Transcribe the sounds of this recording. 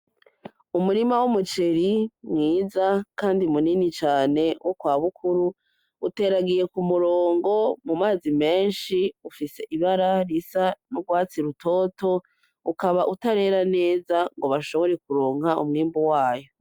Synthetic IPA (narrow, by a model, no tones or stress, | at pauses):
umuɾimawumut͡ʃeɾimŋiːzakaːndimuninit͡ʃaːne̞wʔokwaːβukʰuɾu | ute̞ːɾaɡije̞kumuɾoːŋɡo̞mumaːzime̞ːnʃiufise̞ʔiβaɾaɾisanuɡwaːt͡siɾuto̞ːto̞ | ukaβaʔutaɾe̞ːɾane̞ːzaŋɡo̞βaʃo̞βo̞ɾe̞kuɾoːŋhaʔṵmŋiːmbuwaːjo̞